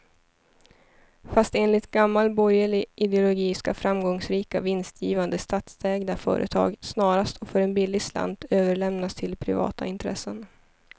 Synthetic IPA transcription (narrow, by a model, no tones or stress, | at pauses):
fast̪eːnlɪt̪ɡamːalbɔjəɭɪʔɪd̪ɛʊlʊɡiːska̰fɾamɡɔŋsɾiːkavɪnst̪ʰjiːvand̪əst̪ʰɑːt̪sd̪ʰɛːɡd̪afœ̰ːɾʔə̰t̪ʰɑ̰ːɡsnɑːɾast̪ʰɔfœɾɛnbɪlːɪɡsla̰nd̪øːvəɭɛmnast̪ʰɪlpʰɾɪ̰vɑ̰ːt̪ʰaɪnt̪ʰɾɛ̰sːən